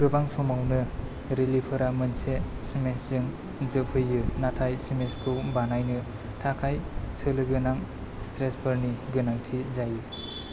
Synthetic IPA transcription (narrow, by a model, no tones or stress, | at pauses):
ɡɯbaŋsɔmawnɯ | ɾelipʰɯɾamɯnsesimeszɯŋ | zɯp̚hɯjːɯnatʰajsimeskʰɯwbanajnɯ | tʰakʰajsɯlɯɡɯnaŋ | stɾesbʰɯɾniɡɯnaŋtʰizajɯ